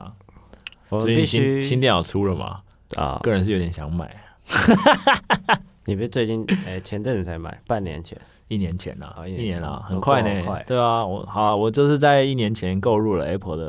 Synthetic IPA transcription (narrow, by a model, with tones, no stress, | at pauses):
sɔ˧˥˧i˥˨˩ɕi˥ɕi˥nt̪̬jɛ˥˧njɑ̰˨˩ʊt͡sʰu˥lə˨ma̰˩˨ | ɤ˥˩ɻə˦nʂ̬̩˥˩jo˧˥jɛ˨˩ɕjɑ˧˦ŋma̰˨˩˦ɪ | ni˨˩pt͡swe˥˧ɪt͡ɕi˥˧ne˥˩t͡ɕʰjɛ˧˥˦ntə˥˧ŋni˨˩t͡sʰa˧˥ɪma̰˨˩ɪpa˥˩njɛ̰˧˥nt͡ɕʰjɛ̰˧˦n | i˥˩njɛ˧˦nt͡ɕʰjɛ̰˧˦nɐ̰˧˨i˥˩˨njɛ˧˦nə̰˧xə˨˩nkʰwa˥˩ɪne˧˨˩t̪we˥˩ɪɐ˩wɔ̰˨˩xɑ˨˩˦wɔ˨˩t͡ɕjo˥˧ʊʂɻ̩˥˧t͡sa˥˧ɪi˥˩njɛ˧˦nt͡ɕʰjɛ˧˦nko˥˧ʊɻu˥˩lə̰˩e˥pʰə˧˥d̪ə˧